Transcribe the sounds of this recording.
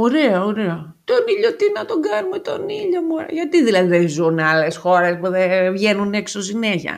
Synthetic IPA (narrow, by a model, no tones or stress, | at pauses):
oɾe̞ɐoɾeo | t̪o̞niʎot̪inɐt̪o̞ɡɐnumet̪o̞niʎo̞muʝɐt̪iðilɐðiðezunɐlesxo̞ɾe̞spuðevʝenuneksosineçɐ̰